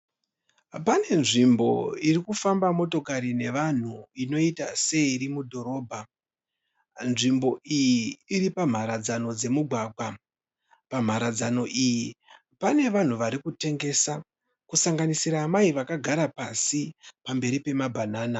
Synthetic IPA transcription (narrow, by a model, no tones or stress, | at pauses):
pane̞nʐimbo̞̰irikufambamo̞to̞kaɾine̞ʋan̤uino̞itase̞iɾimudʱo̞ɾo̞ːbʱa | nʐimbo̞ʔijiːɾipam̤aɾad͡zano̞d͡ze̞muɡʱwaɡʱwa | pam̤aɾad͡zano̞ʔiji | pane̞ʋan̤uʋaɾikute̞ŋɡe̞sa | kusaŋɡanisiɾaːmaiʋakaɡʱaɾapasipambe̞ɾipe̞mabʱanaːna